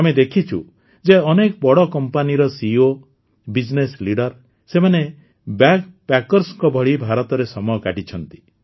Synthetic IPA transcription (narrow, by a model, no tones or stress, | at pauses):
amed̪ekʰit͡ʃʰṵ | d͡ʒeɔnekbɔɽɔkɔmpaniɾɔsio | bid͡ʒnesliɽɔɾ | semane | bakpakɔɾsɔkɔbʱɔɭibʱaɾɔt̪ɔɾesɔmɔjɔkaʈit͡ʃʰɔnt̪i̥